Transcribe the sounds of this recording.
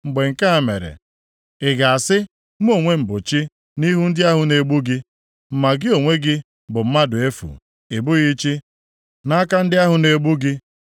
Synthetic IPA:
ŋ͡m̩˨ɡ͡be˨ŋ̩˨ka˦a˨mḛ˨ɾḛ˨ | ɪ˨ɡa˨a˨sɪ˦ | m̩˦o˨ŋʷe˦m̩˨bʊ˨t͡ʃi˦ | ni˦ɦu˦n̩˦dɪ˦a˦ɦʊ˨ne˨ɡ͡bu˦ɡɪ˦ | m̩˨ma˨ɡɪ˦o˨ŋʷe˦ɡɪ˦ | bʊ˨m̩˦ma˦dʊ˨e˦fṵ˨ | ɪ˨bʊ˦ɣi˦t͡ʃi˦ | na˦ka˦n̩˦dɪ˦a˦ɦʊ˨ne˨ɡ͡bu˦ɡɪ˦

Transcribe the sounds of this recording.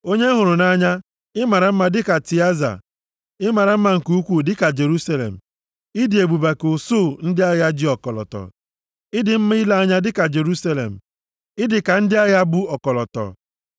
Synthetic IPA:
o˦ɲe˦ɦʊ˨ɾʊ˨na˦ɲa˦ | ɪ˦ma˨ɾa˨m̩˦ma˦dɪ˦ka˨ti˨a˦za̰˨ | ɪ˦ma˨ɾa˨m̩˦ma˨ŋ̩˨ku˦u˦kʷu˦dɪ˦ka˨d͡ʒe˨ɾu˦sa˦lḛ˨m̩˨ | ɪ˦dɪ˨e˨bu˨ba˨ko˨so˦˨n̩˦dɪ˦a˦ja˦d͡ʒɪ˦ɔ˨kɔ˨lɔ̰˨tɔ̰˨ | ɪ˦dɪ˨m̩˦m˦i˦i˦la˦a˦ɲa˦dɪ˦ka˨d͡ʒe˨ɾu˦sa˦lḛ˨m̩˨ | ɪ˦dɪ˨ka˨n̩˦dɪ˦a˦ɣa˦bu˦ɔ˨kɔ˨lɔ˨tɔ̰˨

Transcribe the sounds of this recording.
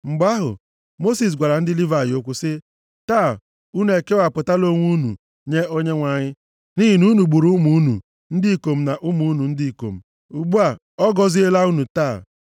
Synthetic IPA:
ŋ͡m̩˨ɡ͡ba˦ɦʊ̰˨ | mo˦si˨s̬ɡʷa˨ɾa˨n̩˦dɪ˦li˦va˨jo˨kʷʊ˦sɪ˦ | taː˦˨ | u˦nu˨e˨ke˦wa˨pʊ˨ta˦lo˦ŋʷu˦nṵ˨ | ɲe˦o˦ɲe˦ŋʷa˨ɲɪ˦ | ni˦ɦi˨nu˦nu˨ɡ͡bu˨ɾu˦mu˦nṵ˨ | n̩˦dɪ˦i˨ko˨m̩˨na˨ʔʊ˦mu˨˦nu˨n̩˦dɪ˦i˨ko̰˨m̩˨ | u˨ɡ͡bu˦a˨ | ɔ˦ɡɔ˦zi˦e˦la˦u˦nu˨taː˦˨

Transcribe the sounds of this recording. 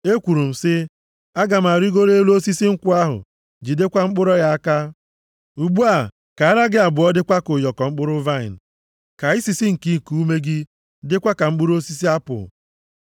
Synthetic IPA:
e˦kʷu˨ɾu˨m̩˨sɪ˦ | a˦ɡa˨m̩˨a˨ɾi˦ɡo˦ɾe˦lo˦si˦si˦ŋ̩˦kʷʊ˦a˦ɦʊ̰˨ | d͡ʒi˨de˦kʷa˦ŋ͡m̩˦k͡pʊ˦ɾɔ˦ɣa˦a˦ka˦ | u˨ɡ͡bu˦a˨ | ka˨a˦ɾa˦ɡɪ˦a˨bʊ˨ɔ˦dɪ˦kʷa˦kʊ˨jɔ˨kɔ˨ŋ͡m̩˦k͡pʊ˦ɾʊ˦va˦ɪ̰˨n̩˨ | ka˨i˦si˨si˦ŋ̩˨ki˦˨ku˦u˦me˦ɡɪ˦ | dɪ˦kʷa˦ka˨ŋ͡m̩˦k͡pʊ˦ɾo˦si˦s̬i˦a˦pʊ̰˨

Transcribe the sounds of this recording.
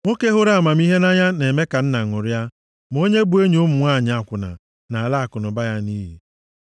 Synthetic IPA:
ŋʷo˦ke˦ɦʊ˦ɾa˦a˨ma˨m˦i˦ɦe˦na˦ɲa˦ne˨me˦ka˨n̩˦na˨ŋʊ˨ɾa˦ | m̩˨o˦ɲe˦bu˨˦e˦ɲ˨ʊ˦mʊ˨ŋʷ˦a˦˨ɲ˨a˨kʷʊ˨na̰˨ | na˨la˦a˨kʊ˨nʊ˨ba˦ja˦niː˦ɦi˨

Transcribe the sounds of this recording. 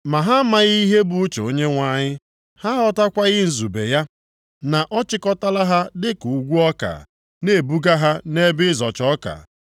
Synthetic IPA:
ma˨ɦa˦ma˦˨ɣi˦ɦe˦bu˦u˦t͡ʃo˦ɲe˦ŋʷa˦ɲɪ˦ | ha˦ɦɔ˦ta˦kʷa˦ɣɪ˦n̩˨zu˨bḛ˨ja˦ | na˨ʔɔ˦t͡ʃɪ˦kɔ˦ta˦la˦ɦa˦dɪ˦ku˨˦ɡʷu˦ɔ˦ka̰˨ | ne˨bu˦ɡa˦ɦa˦ne˦bɪ˦zɔ˨t͡ʃɔ˦ka̰˨

